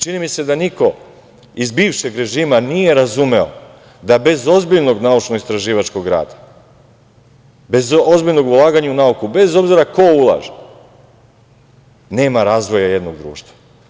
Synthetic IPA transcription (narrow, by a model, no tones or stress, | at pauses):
t͡ʃinimise̞d̪aniko̞ | izbiːʋʃe̞ɡɾe̞ʒiːmanije̞ɾazume̞o̰ | d̪abe̞zo̞zbiʎno̞ɡnaut͡ʃnoist̪ɾaʒiːʋat͡ʃko̞ɡɾa̰ːd̪ḁ | be̞zozbiʎno̞ɡulˠaːɡaɲaunaukube̞zo̞bziɾako̞ulˠa̰ːʒe | ne̞ːmaɾaːzʋo̞jaje̞d̪no̞ɡd̪ɾṵːʃt̪ʋḁ